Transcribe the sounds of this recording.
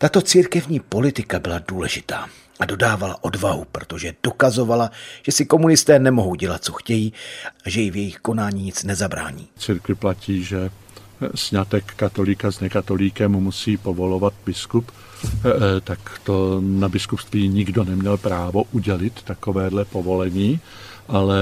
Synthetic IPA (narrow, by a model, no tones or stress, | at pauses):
t̪at̪o̞t͡siːɾkɛvɲiːpo̞lɪt̪ɪkabɪladuːlɛʒɪt̪aː | ʔado̞daːvala̰ʔo̞dvaɦupɾo̞t̪o̞ʒɛd̥o̞kazo̞valaʒ̥ɛsɪko̞munɪst̪ɛːnɛmo̞ɦo̞wɟɛlat̪̚t͡so̞xcɛjiːʔaʒɛjɪvjɛjɪxko̞naːɲiːɲɪt͡snɛzabɾa̰ːɲḭːt͡siɾkvɪplaciːʒɛ | sɲat̪ɛkːat̪o̞likaznɛkat̪o̞liːkɛmmusiːpovo̞lovat̪bɪskup | t̪akt̪onabɪskupst̪viːɲɪɡdonɛmɲɛlpɾaːvo̞ʔuɟɛlɪt̪ːakovɛːdlɛpovo̞lɛɲiː | ʔalɛ